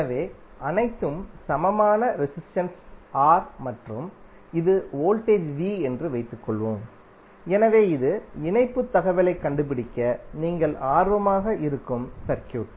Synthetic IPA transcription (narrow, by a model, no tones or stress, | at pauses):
ɐʋeː | ɐnɐɪt̪ːɯmsɐmɐmaːnɐɾɪsɪsʈɐnsaːɾmɐʈrɯm | ɪðɯoːlʈeːd͡ʒʋiːɛndrɯʋɐɪt̪ːɯkːɔɭʋoːm | ɛnɐʋeːɪðɯɪnɐɪpːɯt̪ːɐɣɐʋɐlɐɪkːɐɳɖɯp̬ɪɽɪkʲːɐniːŋɡɐɭaːɾʋɐmaːɣɐʔɪɾɯkːɯmsɐɾkjuːʈ